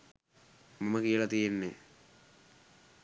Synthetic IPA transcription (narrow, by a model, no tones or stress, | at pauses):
maməkijəlat̪ijenːe